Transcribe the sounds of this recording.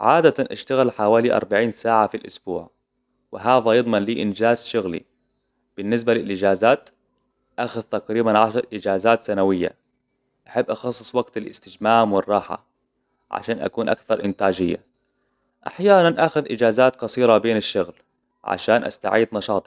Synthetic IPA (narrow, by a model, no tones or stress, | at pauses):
ʕaːd̪at̪anʔa̰ʃt̪aɣɪlħawaːliʔɑ̰ɾˤbaʕiːnsaːʕafilʔʊsbṵːʕ | wɪɦaːðajɨd̪ˤmɑnliːʔɪnd͡ʒaːzʃʊɣlḭ | b̥ɪnːɪs̬balɪlʔɪd͡ʒaːzaːt̪ | ʔaxʊðt̪aqɾiːbanʕaʃɑɾˤʔɪd͡ʒaːzaːt̪sanawɪjːa̰ | ʔaħabːʔɑxɑsˤːɨ̥sˤwaɡt̪alʔɪ̰st̪ɪd͡ʒmaːmwɪrˤːɑːħa̰ | ʕa̰ʃaːnʔa̰kuːnʔa̰kθɑɾˤʔɪnt̪aːd͡ʒɪjːa̰ | ʔa̰ħjaːnanʔaxʊðʔɪd͡ʒaːzaːt̪qɑsˤiːɾˤɑbeːnaʃːʊɣl | ʕa̰ʃaːnʔa̰st̪a̰ʕiːd̪nɑʃɑːt̪ˤi